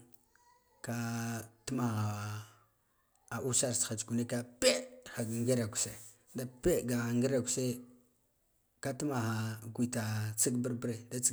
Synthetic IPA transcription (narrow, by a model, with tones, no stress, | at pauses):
ka˦tu˦ma˨ɣa˨ | a˨ʔu˦sa˦ɾsa˨d͡ʒɡu˨ne˦ka˦pe˦xa˨ɡŋɡi˦ɾa˨ku̥˨se˦ | da˦pe˦ɡa˨a˨ŋɡi˦ɾa˨ku̥˨se˦ | ka˦tu˦ma˨ɣa˨ɡʷi˨ta˨t͡si˦ɡbə˦ɾbɾe˨da˦t͡s